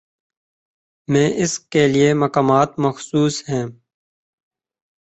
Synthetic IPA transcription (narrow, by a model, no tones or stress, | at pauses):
mẽːʔɪskeliemɐkaːmaːt̪mɐxsuːsɦɛ̃ː